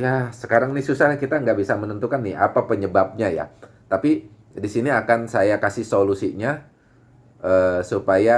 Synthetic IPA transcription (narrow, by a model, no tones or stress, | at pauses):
jasəkaɾaŋnisusahkit̪aŋɡaʔbisamənənt̪ukanːɪa̰papəɲəbap̚ɲaja̰ | t̪api | disiniakansajakasihsolusiɲa | ʔəːsupaja